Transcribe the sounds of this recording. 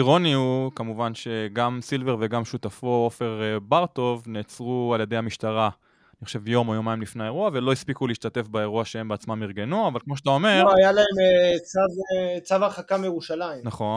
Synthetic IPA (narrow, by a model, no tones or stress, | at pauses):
iʁo̞niukamuvanʃe̞ɡamsilve̞ʁve̞ɡamʃut̪afoofe̞ʁbaʁt̪o̞vneːt͡sʁualje̞d̪ejamiʃtaʁa | niχoʃe̞vjo̞mojomaimlifneae̞ʁuave̞lo̞ispikuliːʃt̪ate̞fbae̞ʁuaʃeembeat͡smamiʁɡe̞nuavalkmo̞ʃeat̪aome̞ʁoajalaemet͡savet͡savaχakamejeʁuʃalaimnaχo̞n